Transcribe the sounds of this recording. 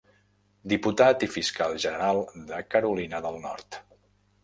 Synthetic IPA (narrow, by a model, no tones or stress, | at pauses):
d̪iput̪at̪ifiskalˠʒənəɾalˠd̪əkəɾulinəðəlˠnɔɾt̪